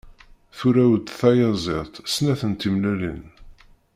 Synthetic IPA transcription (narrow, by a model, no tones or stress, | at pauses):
θuɾæwd̪θæjɑzˤɪt̪ˤsnæθənt̪imlælə̰n